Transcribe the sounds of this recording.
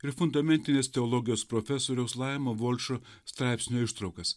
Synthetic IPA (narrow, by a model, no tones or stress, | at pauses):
ɪɾfʊnd̪ɐmʲɛnʲt̪ʲɪnʲest̪ʲɛɔlˠɔɡʲɪjoːspɾofʲɛsoːɾʲɛʊslˠɑɪmoʋɔlʲʃo | st̪ɾɑˑɪpʲsʲnʲoːɪʃt̪ɾɐʊkɐs